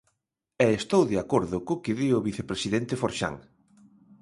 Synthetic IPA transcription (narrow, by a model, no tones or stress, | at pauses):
ɛest̪owðeakoɾðʊkʊkɪðiʊβiθepɾesiðɛnt̪efoɾʃa̰ŋ